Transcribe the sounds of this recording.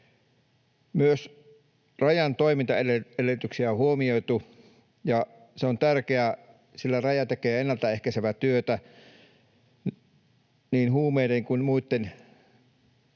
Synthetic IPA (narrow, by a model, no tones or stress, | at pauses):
myøs | rɑjɑnt̪oimint̪ɑeleelet̪yksiæohuomioit̪u | jɑ | seont̪ærkeæ | silːærɑjɑt̪ekeːenːælt̪æehkæseʋæt̪yøt̪æ | niːnhuːmeideŋkunmuit̪ːen